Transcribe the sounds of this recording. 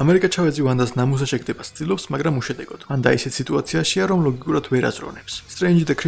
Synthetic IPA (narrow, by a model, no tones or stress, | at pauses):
amɛɾikʼat͡ʃʰavɛd̪zivand̪asnamus̬aʃɛɡʰd̪ɛbasd̪ʼilˠɔpsmaɡɾamuʃɛd̪ɛɡɔd̪̥vand̪aisɛt̪ʰsit̪ʼuat̪sʰiaʃiaɾɔmlˠɔɡikʼuɾad̪vɛɾa̰zɾɔ̰nɛpsst̪ʼɾɛnd͡ʒid̪akʰɾi